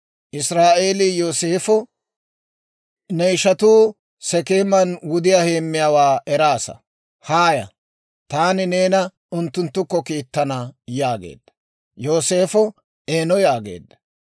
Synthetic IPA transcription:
ʔɪsɾaːʔeːlɪjo̞ːseːfɔ | nɛjʃɐt̪uː | sɛkeːmːɐnwʊd̪ɪjahe̞ːmːɪjaːwaːɛɾaːsɐ̰ | haːjɐ̰ | t̪aːnɪne̞ːnɐ | ʊnt̪ːʊnt̪ːʊkːɔkiːt̪ːɐnɐjaːɡḛːd̪̥ːɐ | jo̞ːse̞ːfɔ | eːnɔjaːɡḛːd̪ːɐ̥

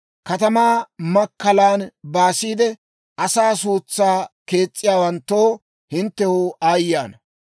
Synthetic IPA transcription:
kɐt̪ɐmaːmɐkːɐlaːnbaːsiːd̪ɛ | ʔɐsaːs̬uːt͡sːaːke̞ːt͡sʼːɪjaːwɐnt̪ːoː | hɪnt̪ːɛhʊaːjːaːnɐ

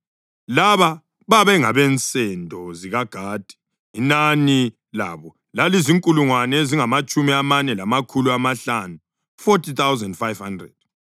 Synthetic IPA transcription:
laβa | βaβɛŋaβɛnt͡sʼɛndʱɔziɣaɡ̥ʱaːd̥ʱi̥ | inani | laβɔ | laliziŋkʼuluŋwanɛeziŋamat͡ʃʼumiamanɛlamakʰuluamaɬanu | fotʰit̪awzɛndfajvhandrɛ̰d̥̚

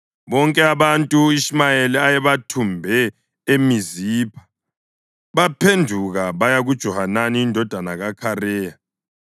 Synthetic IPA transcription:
βɔŋkʼɛaβantʼuismajeliajɛβatʰumbʱɛ | emizipʰḁ | βapʰendʱuɣaβajaɣud̥ʒ̥ʱɔhananiindʱɔd̥ʱanaɣakʰarɛːja

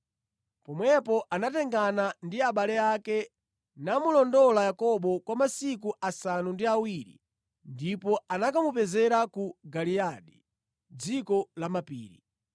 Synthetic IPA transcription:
pɔmwɛpɔʔanatɛŋɡanandiaɓalɛakɛ | namulɔndɔlajakɔɓɔkwamasikuʔasanundiawiɾḭ | ndipɔanakamupɛzɛɾakuɡaliaɗi | d͡zikɔlamapḭːɾḭ

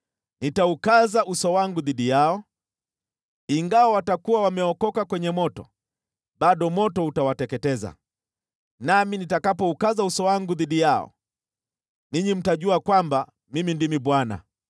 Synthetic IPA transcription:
nitaukazaʔusɔwaŋɡuðiɗijaɔ | iŋɡawawatakuwawamɛɔkɔkakwɛɲɛmɔtɔ̰ | ɓaɗɔmɔtɔutawatɛkɛtɛza̰ | naminitakapɔukazausɔwaŋɡuðiɗijaɔ̰ | niɲim̩taʄuakwamba | mimindimiɓwana̰

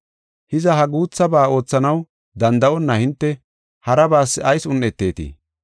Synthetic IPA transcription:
hɪzɐɦɐɡuːt͡sːɐbaːo̞ːt͡sːɐnɐw | d̪ɐnd̪ɐʔɔnːɐhɪnt̪ːɛ | hɐɾɐbaːsːɪɐjsʊnːɛt̪ːe̞ːt̪ḭː

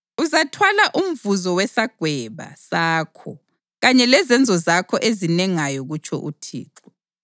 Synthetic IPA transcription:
uzatʰwalaʔum̩vuzɔwɛsaɡ̥ʱwɛβa̰saːkʰɔ | ɣaɲɛlɛzɛnd͡zʱɔzakʰɔʔezinɛŋajɔɣut͡ʃʰɔ̰ʔṵtʰḭːǁɔ

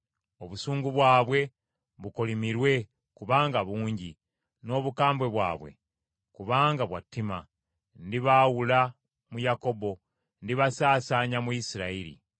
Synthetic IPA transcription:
o̞βusuːŋɡuβwaːβwe̞ | βuko̞limiɾwe̞ | kuβaːŋɡaβuːɲɟi | no̞ːβukaːmbwe̞βwa̰ːβwḛ | kuβaːŋɡaβwa̰tːima | ndiβawula | mujako̞bo̞ | ndiβasaːsaːɲamuisiɾaiɾḭ

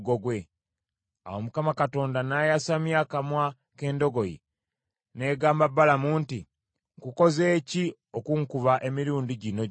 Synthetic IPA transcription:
ɡoɡwe̞ | a̰womukamakato̞ːndanajasamjakamwa | ke̞ːndo̞ɡo̞jḭ | ne̞ːɡaːmbabːalamuːnti | ŋkuko̞ze̞ːci | okuŋkuβaʔe̞miɾuːndiɟino̞

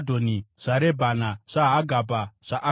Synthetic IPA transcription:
dʱoniʐ̥aɾebʱanaʐ̥aɦaɡʱabaʐ̥aʔa

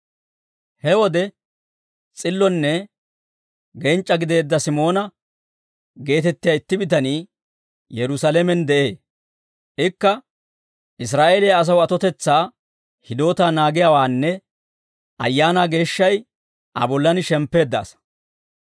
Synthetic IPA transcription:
hɛwɔd̪ɛ | t͡sʼɪlːɔnːɛ | ɡɛnt͡ʃʼːɐɡɪd̪e̞ːd̪ːɐsɪmo̞ːnɐ | ɡe̞ːt̪ɛt̪ːɪjaːɪt̪ːɪbɪt̪̬ɐniː | jɛɾʊsɐlɛmɛnd̪ɛʔe̞ː | ɪkːɐ | ʔɪs̬ɾaːʔeːlɪjaːs̬ɐwɐt̪ɔt̪ɛt͡sːaː | hɪd̪o̞ːt̪aːnaːɡɪjawaːnːɛ | ʔɐ̰jːaːnaːɡe̞ːʃːɐj | ʔɐ̰bɔlːɐnɪʃɛmpːe̞ːd̪ːa̰ːs

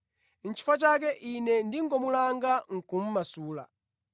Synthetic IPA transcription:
n̩t͡ʃʰi̥fat͡ʃakɛʔinɛndiŋɡɔmulaŋɡaŋ̩kum̩masuːla̰

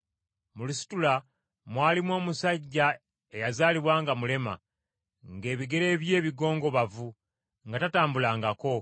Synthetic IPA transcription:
mulusi̥tula | mwaːlimwo̞ːmusaɟːa | e̞jazaːliβwaːŋɡamule̞ma̰ | ŋɡe̞ːβiɡe̞ɾe̞ːβje̞ːβiɡo̞ːŋɡo̞βavu | ŋɡatataːmbulaːŋɡako̞

